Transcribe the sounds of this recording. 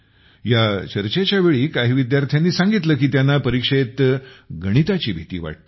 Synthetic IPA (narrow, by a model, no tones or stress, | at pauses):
jat͡ɕəɾt͡ɕet͡ɕjaʋeɭiːkaɦiːʋid̪jaɾt̪ʰjanːiːsaŋɡit̪ləːkiːt̪janːapəɾikʂet̪ɡəɽ̃it̪at͡ɕiːbʱit̪ḭːʋa̰ʈ̚t̪